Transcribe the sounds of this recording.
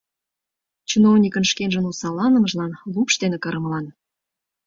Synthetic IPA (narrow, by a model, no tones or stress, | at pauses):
t͡ɕunovnʲikə̆nʃkenʒə̆nusɑlɑnə̆məʒlɑnlupʃt̪enekɑɾə̆mlɑn